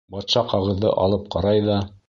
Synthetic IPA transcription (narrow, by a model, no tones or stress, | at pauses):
bɑt̪ʃɑqɑʁɤ̆ðːɤ̰ʔɑ̰lˠɤp̚qɑɾɑjðɑ